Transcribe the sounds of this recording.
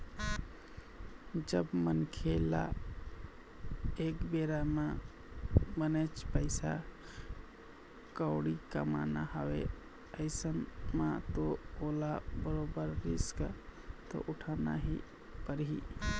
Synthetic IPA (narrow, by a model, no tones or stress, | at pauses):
d͡ʒəbmənkʰela̰ | ekbeɾama | bənət͡ʃpəɪsa | kəʊɽika̰ma̰naɦəwe | əɪsənmat̪oolabəɾobəɾɾḭskat̪o̰ʔuʈʰana̰ɦi | pəɾɦḭ